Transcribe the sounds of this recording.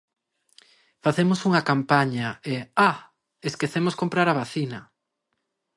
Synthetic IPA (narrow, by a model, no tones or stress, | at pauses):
faθemosuŋɐkampaɲɐea | eskeθemoskompɾaɾaβaθinɐ